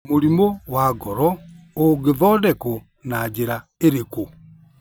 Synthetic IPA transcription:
moɾimowaɡɔɾɔ | oɡeðɔdɛko | nad͡ʒeɾa | eɾeko

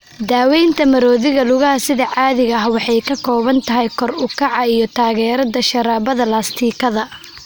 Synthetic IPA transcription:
d̪aːwɛjnt̪ʰɐmɐɾɔːðɪɣɐlʊɣɐhɐsɪðɐʕɑːðɪɣɐɐɦwɑħɑjkʰɐkʰɔːβɐnt̪ʰɐɦɛjkʰɔrʊkʰɑʕɑijɞt̪ʰaːɣɛːɾɐðɐʃɐɾaːβɐðɐlaːst̪ʰiːkʰɐðɐ

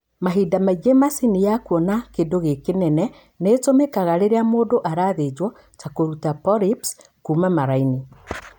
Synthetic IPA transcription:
maɦidamaiɣemasinijakwɔnakedoɣekenɛnɛ | netomɛkaɣaɾeɾeamoːdoʔaɾaðed͡ʒwɔ | t͡ʃakoɾutapɔɾips | kuːmamaɾaini

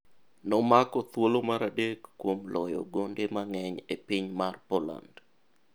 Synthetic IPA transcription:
nɔmakɔt̪wolomaɾadekːwomlɔjɔ̰ɡondemaŋɛɲepiɲmarpɔla̰nd

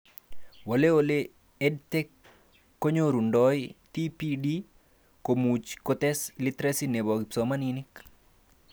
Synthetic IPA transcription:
woleole | ɛdtɛkː | oɲoɾundɔjtipidi | komut͡ʃkot̪ɛslit̪ɾɛsinebɔɡipsomaninik

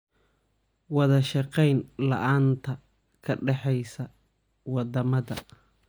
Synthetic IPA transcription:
wɑðɐʃɑqɛjnlɐ̰ʔaːnt̪ʰɐ | kʰɐɖɛħɛjsɐ | wɑd̪ɐmɐðɐ̰

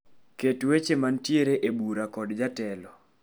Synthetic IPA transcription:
ketwet͡ʃemantjeɾeʔebuɾakɔdd͡ʒatɛlɔ

